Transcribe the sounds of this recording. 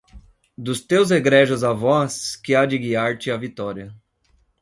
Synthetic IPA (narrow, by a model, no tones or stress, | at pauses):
d̪ʊst̪ewzeɡɾeʒɐzavɔskɪad͡ʒɪɡiaɾt͡ʃɪɐvit̪ɔɾiɐ